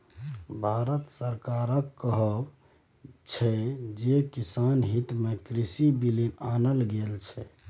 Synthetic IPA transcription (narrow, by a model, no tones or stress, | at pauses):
bʱaɾət̪səɾkaɾəkːəɦəb | t͡ʃʰɛd͡ʒekisanɦit̪mekɾisibilinanəlɡelt͡ʃʰɛ